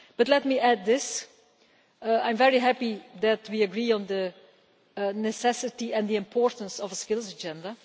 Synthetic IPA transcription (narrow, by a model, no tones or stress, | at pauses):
b̥ʌtlɛt̚miʔæd̪̚ːɪs | ãɪ̃mvɛɹiɦæpiðɨtʰwiɨɡɹiə̃nðə | nɨsɛsɨtiɛ̃nd̪iɨ̃mpʰɔɹtə̃n̩sɔvəskɪlˠzəd͡ʒɛ̃ndə